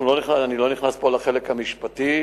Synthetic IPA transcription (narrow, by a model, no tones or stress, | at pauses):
loniχaanilo̞niχnaspolaχelekhamiʃpat̪i